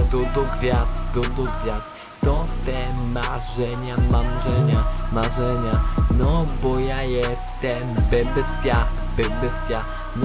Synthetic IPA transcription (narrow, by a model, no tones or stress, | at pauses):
d̪ɔd̪ɔɡvʲjasd̪ɔd̪ɔɡvʲjas | t̪ɔt̪ɛmaʐɛɲamamʐɛɲamaʐɛɲanɔbɔjajɛst̪ɛmbɛbstʲja | bɛbɛstʲa | n